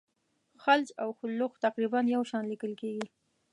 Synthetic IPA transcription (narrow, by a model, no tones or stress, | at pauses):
xalt͡ʃawxʊlːʊxt̪aqɾibanjawʃɑnlikəlkeɡi